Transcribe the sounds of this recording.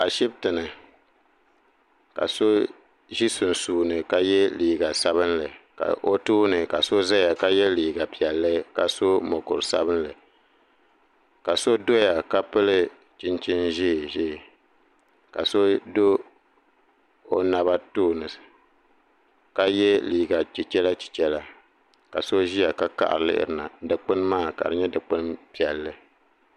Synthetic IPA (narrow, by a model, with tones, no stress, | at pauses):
a˨ʃi˦b̚tɨ˨nɨ˨ | ka̰˨so˦ | ʒi˦sʊ˨n˨suː˨nɨ˨ka˦jɛ˦liː˨ɡa˨sa˦βɨ˦nlɨ˨ka̰˨ʔo˦tuː˦nɨ˨ka˨so˦za˦ja˨ka˦jɛ˦liː˨ɡa˨pi˨ɛ˨lːɨ˦ka˨so˦mɔ˨kʊ̰˨ɾsa̰˦βɨ˦nlɨ˨ | ka˨so˦do˦ja˨ka˦pɨ˦lɨ˦ | t͡ʃɪ˦nt͡ʃɪ˦nʒɪː˦˨ʒɪː˦˨ | ka˨so˦do˦ | o˦na˨βa˦toː˦nɨ˨s | ka˦jɛ˦liː˨ɡa˨t͡ʃi˨t͡ʃɛ˦la˦t͡ʃi̥˨t͡ʃɛ˦la˦ | ka˨so˦ʒi˦ja˨ka˦ka̰˦ʔɾɨ˨lɨ̰˦ʔɪ̰˦˨ɾɨ˨na˨dɨ˨k͡pɨ˦n˦maː˦˨ka̰˨ɾɨ˨˦ɲɛ˦dɨ˨k͡pɨ˦npi˨ɛ˨lːɨ˦